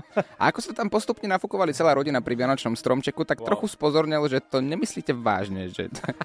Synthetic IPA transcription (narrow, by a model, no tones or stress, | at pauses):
ʔa̰akɔsmɛt̪ampɔst̪upɲɛnafukɔʋalit͡sɛlaːɾɔɟinapɾiʋɪanɔt͡ʃnɔmst̪ɾɔmt͡ʃɛkut̪akt̪ɾɔxuspɔzɔɾɲɛlʒɛt̪ɔɲɛmisliːcɛʋa̰ːʒɲɛʒɛ̰